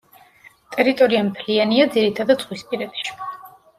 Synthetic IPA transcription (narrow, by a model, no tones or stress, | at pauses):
t̪ʼɛɾit̪ʼɔɾiamt̪ʰlianiad̪ziɾit̪ʰad̪ad̪z̥ʁwispʼiɾɛd̪i̥ʃ